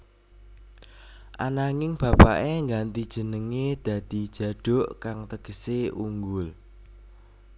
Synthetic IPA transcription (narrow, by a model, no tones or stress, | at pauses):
ʔanaŋɪŋb̥ä̤paʔeŋɡant̪id̥ʒ̥ə̤nəŋed̪̥a̤d̪̥i̤̥ʒ̥ä̤ɖ̥ɔ̤ʔkaŋt̪əɡ̥əseuŋɡʊl